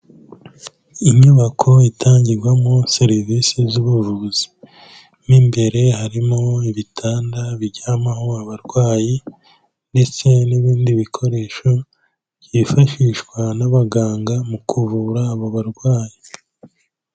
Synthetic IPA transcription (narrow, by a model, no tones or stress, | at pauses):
iɲuβakʰo̞itʰaːɲɟiɾɡwamoseɾivisizuβuvuzi̥ | nimbe̞ɾe̞haɾimoiβitʰaːndaβiɾɟaːmahoaβaɾɡwaːji | nde̞t͡se̞niβiːndiβikʰo̞ɾe̞ːʃo̞̥ | jifaʃiʃkwanaβaɡaːŋɡamukʰuvuɾaːβo̞βaɾɡwaːji